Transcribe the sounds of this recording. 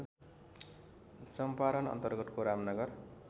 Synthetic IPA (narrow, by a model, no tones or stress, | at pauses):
sʌmpaɾʌnʌ̰nt̪ʌrɡʌt̪koɾamnʌɡʌr